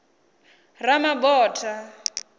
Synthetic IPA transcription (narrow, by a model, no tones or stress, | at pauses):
ramabɔːtʰa